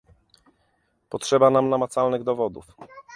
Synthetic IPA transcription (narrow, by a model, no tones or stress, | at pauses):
pɔtʂɛbanamnamat̪salnɘɣd̪ɔvɔd̪ṵf